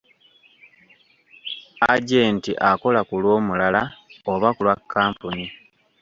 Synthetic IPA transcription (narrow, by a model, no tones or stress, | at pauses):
aɟeːntiʔako̞lakulwo̞ːmulalaoβakulwakʰːaːmpuni